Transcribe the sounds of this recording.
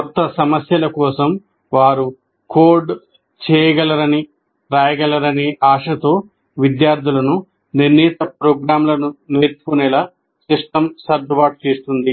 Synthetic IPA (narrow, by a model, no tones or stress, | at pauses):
ɔt̪ːɐsɐmɐsjɐlɐkɔːsɐm | ʋaːɾu | koːɾɖ | t͡ʃɛːjɐɡɐlɐɾɐni | ɾaːjɐɡɐlɐɾɐniʔaːʂɐt̪o̞ː | ʋid̪jaːɾd̪ʱilɐnu | niɾniːt̪ɐpɾoːɡɾaːmlɐnuneːɾt͡ʃu̥kunɛla | siʂʈɐmsɐɾd͡ʒɐʋaːʈ̚t͡ʃeːst̪und̪i